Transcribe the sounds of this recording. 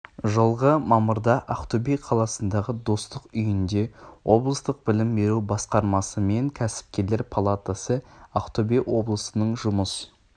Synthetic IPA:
ʒəlˠʁəmɑməɾd̪ɑʔaqt̪obijqʰɑlˠɑsənd̪ɑʁəd̪o̞st̪əqʏjɪnd̪e̞wo̞blˠəst̪əq̚bɪlɪmbe̞ɾubɑsqɑɾmɑsəme̞ŋkʲʰæsɪ̥p̚kʲe̞ɾle̞ɾpʰolˠat̪asəaqt̪obijwʔo̞blˠəsənəɴʒʊməs

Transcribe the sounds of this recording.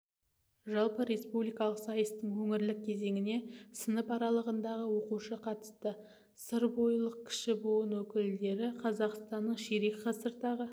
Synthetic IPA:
ʒɑlˠpəɾe̞spublijkɑlˠəqsɑjəst̪əɴwɵŋɪɾlɪk̚ʲʰːe̞ze̞ŋɪne̞sənəpɑɾɑlˠəʁənd̪ɑʁəwo̞quʃəqʰɑt̪ə̥st̪ə | səɾbo̞jlˠəq̚kʲʰɪ̥ʃɪboənwɵkʲɪld̪e̞ɾɪqʰɑzɑqst̪ɑnːəɴʃeɾikqʰɑsəɾt̪ɑʁə

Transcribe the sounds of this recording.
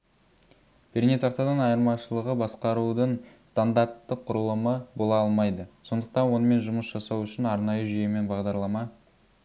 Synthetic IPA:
b̥ʰeɾne̞t̪ʰɑqt̪ɑd̪ɑnɑjəɾmɑʃəlˠəʁəbɑsqɑɾud̪əɴst̪and̪aɾt̪ːɪqʰːʊɾəlˠəməbo̞lˠɑɑlˠmɑjd̪əso̞nd̪əq̚t̪ɑnwo̞nəme̞nʒʊməsʒ̥ɑsɑwʏʃɪnɑɾnɑjəʒijeme̞nbɑʁd̪ɑɾlˠɑmɑ

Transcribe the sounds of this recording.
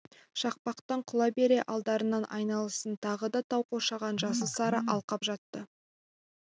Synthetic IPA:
ʃɑq̚pɑqt̪ɑɴqʰʊlˠɑbe̞ɾe̞ʔɑlˠd̪ɑɾənɑnʔɑ̰jnɑlˠəsənt̪ʰɑʁəd̪ɑt̪ʰɑwqoʃɑʁɑnʒɑs̬əsɑɾəʔɑlˠqɑpʒɑt̪ːə

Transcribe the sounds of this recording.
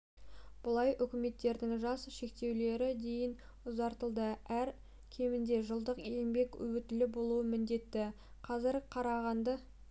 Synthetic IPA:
b̥ʊlˠɑjʔʏkʲɪme̞t̪ːe̞ɾd̪ɪŋʒɑsʃe̞kt̪e̞wle̞ɾɪd̪e̞jɪn | ʊzɑɾt̪əlˠd̪əæɾ | kʲʰe̞mɪnd̪e̞ʒəlˠd̪əqe̞mbe̞kɵ̰wɪt̪ɪlɪbo̞lˠuəmɪnd̪e̞t̪ːɪ | qʰɑzɪɾqʰɑɾɑʁɑnd̪ə

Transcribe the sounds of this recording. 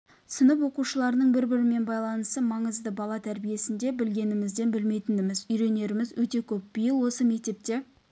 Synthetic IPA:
sənəp̬wo̞quʃəlˠɑɾənəɴbɪɾbɪɾɪme̞nbɑjlˠɑnəst̪əmɑɴəzd̪əbɑlˠɑt̪ʰæɾbije̞sɪnd̪e̞bɪlɡʲe̞nɪmɪzd̪e̞nbɪlme̞jt̪ɪnd̪ɪmɪzʏjɾe̞ne̞ɾɪmɪzwɵt̪e̞kʲʰɵp̚b̥ijəlˠwo̞səme̞k̚t̪e̞p̚t̪e̞

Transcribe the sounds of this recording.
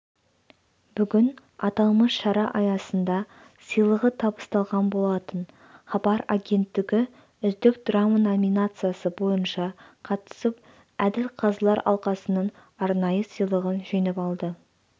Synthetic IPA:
bʏɡʲɪn | ɑt̪ɑlˠməsʃɑɾɑʔɑjɑsənd̪ɑ | sijlˠəʁət̪ʰɑbə̥st̪ɑlˠʁɑnbo̞lˠɑt̪ən | χɑbɑɾaɡʲe̞nt̪ːɪɡʲɪ | ʏzd̪ɪkd̪̥ramanomijnat̪sɨjasəbo̞jənʃɑqʰɑt̪ə̥səp̚ | æd̪ɪlqʰɑzlˠɑɾɑ̰lˠqɑsənəɴ | ɑɾnɑjəsijlˠəʁənʒinɪpɑlˠd̪ə

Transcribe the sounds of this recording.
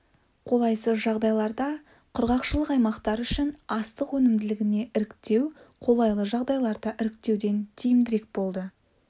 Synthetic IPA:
qʰo̞lˠɑjsəʒɑʁd̪ɑjlˠɑɾd̪ɑ | qʰʊɾʁɑqʃəlˠəqɑjmɑqt̪ɑɾʏʃɪnɑst̪əqwɵnɪmd̪ɪlɪɡʲɪne̞ʔɪɾɪkt̪e̞wqʰo̞lˠɑjlˠəʒɑʁd̪ɑjlˠɑɾd̪ɑʔɪɾɪk̚t̪e̞wd̪e̞nt̪ʰijɪmd̪ɪɾe̞k̚bo̞lˠd̪ə

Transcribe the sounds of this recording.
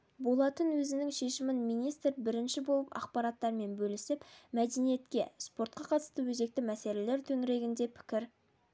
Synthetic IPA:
bo̞lˠɑt̪ənwɵzɪnɪŋʃe̞ʃɪmɪnmijnijst̪rbɪɾɪnʃɪbo̞lˠəpɑ̰qpɑɾɑt̪ːɑɾme̞nbɵlɪsɪpmæd̪enije̞t̪kʲe̞̰spo̞ɾt̪̚qɑqʰɑt̪ə̥st̪əwɵze̞k̚t̪ɪmæse̞le̞le̞ɾt̪ʰɵŋɾe̞ɡʲɪnd̪e̞pʰɪ̥kʲɪɾ

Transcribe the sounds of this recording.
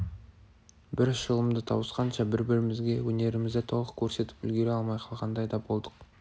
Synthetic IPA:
bɪɾʒəlˠəmd̪ət̪ʰɑwəsqɑnʃɑbɪɾbɪɾɪmɪzɡʲe̞wɵne̞ɾɪmɪzd̪et̪ʰo̞lˠəqkʲʰɵɾse̞t̪ɪ̥pʏ̰lɡʲe̞ɾeɑlˠmɑjqʰɑlˠʁɑnd̪ɑjd̪ɑbo̞lˠd̪əq

